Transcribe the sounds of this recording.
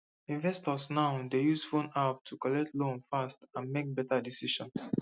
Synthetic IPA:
ĩnvɛstɔsnaʊdejuzfõnap̚tʰukɔlɛk̚tʰlõnfastãnmek̚bɛtadisiʃɔ̃n

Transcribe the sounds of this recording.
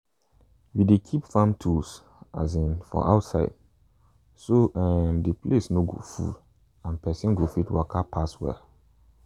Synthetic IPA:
widekʰipfãmtʰus | a̰zĩnfɔ̰ʔa̰ʊtsaɪd̥ | soʔɛmdiplesnoɡo̰fṵl | ãnpɛsĩnɡofitwɔkʰapʰaswɛ̰

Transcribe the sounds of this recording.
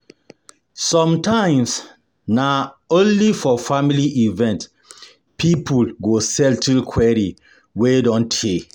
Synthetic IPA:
sɔ̃mtãɪ̃ms | naõnlifɔfamiliʔivɛ̃nt | pʰipʰulɡosɛltʰilkʰwɛɹi | wedɔ̃ntʰe

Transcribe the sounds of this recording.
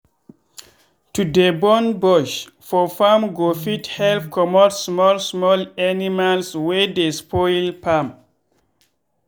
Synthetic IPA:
tudebɔnbɔʃ | fɔfamɡofithɛlfkʰɔmɔtsmɔlsmɔlanimalswedespʰɔjlpam

